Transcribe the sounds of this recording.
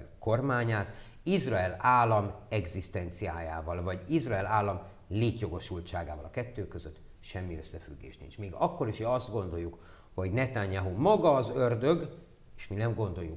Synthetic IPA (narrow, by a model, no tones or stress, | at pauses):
ko̞rmaːɲaːt̪ | izrɒɛlaːlːɒmɛɡzist̪ɛnt̪siaːjaːvɒlvɒɟizrɒɛlaːlːɒm | leːt̪jo̞ɡo̞ʃult̪t͡ʃaːɡaːvɒlɒkɛt̪ːøːkøzøt̪ː | ʃɛmːiøsːɛfy̰ɡːḛːʃt̪nḭnt͡ʃmiːɡɒkːo̞ɾiʃøɒzd̪ɡo̞nd̪o̞jːuk | ho̞ɟnɛt̪aɲjaɦumɒɡɒːzørd̪øɡ | eʃminɛmɡo̞nd̪o̞jːu